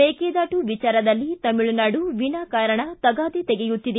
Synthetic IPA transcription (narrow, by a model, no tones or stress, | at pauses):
eːkeːd̪aːʈuʋit͡ʃaːɾɐd̪ɐlːit̪ɐmiɭunaːɖuʋinaːkaːɾɐɳɐt̪ɐɡaːd̪it̪ɛɡejut̪ːid̪e